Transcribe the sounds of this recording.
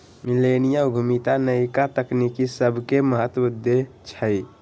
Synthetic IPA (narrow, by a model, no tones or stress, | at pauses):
milenijauɡʱumit̪anəjkat̪əknikisəbʱkeməɦət̪ud̪ːe | t͡ʃʰəj